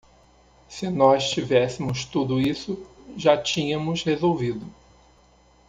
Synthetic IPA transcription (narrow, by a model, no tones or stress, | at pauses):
sɪnɔst͡ʃivɛsɪmʊst̪ud̪ʊisʊʒat͡ʃĩɲɐ̃mʊshezowvid̪ʊ